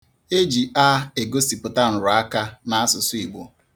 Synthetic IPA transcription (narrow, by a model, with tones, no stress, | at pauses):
e˦d͡ʒi˨a˦e˨ɡo˦si˨pʊ˨ta˦n̩˨ɾʊ˨˦a˦ka˦na˨a˦sʊ˨sʊ˦i˨ɡ͡bo˦